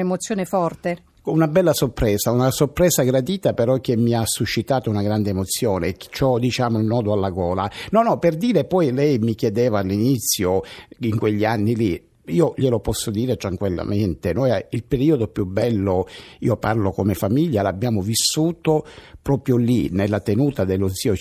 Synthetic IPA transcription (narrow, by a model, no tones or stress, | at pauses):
emot̪sːjoːnefɔrt̪e | unabɛlːasorpɾɛːzaunasorpɾɛːzaɡɾad̪iːt̪apeɾɔk̟ːemːiasːuʃːit̪aːt̪ounaɡɾand̪eːmot̪sːjoːnet͡ʃɔd̪it͡ʃaːmolnːɔːd̪oalːaɡɔːlanɔnɔperd̪iːɾepɔjlɛjmikjed̪eːvaːlːinit̪sːjoiŋkweʎːianːili | iːoʎelopɔsːod̪iːɾet̪ɾaŋkwilːa̰mɛnt̪enojailpeɾiːod̪opjubːɛlːoḭːoparlokomefamiʎːalabjaːmovisːuːt̪opɾɔːpɾjolinelːat̪enuːt̪ad̪elːosiːo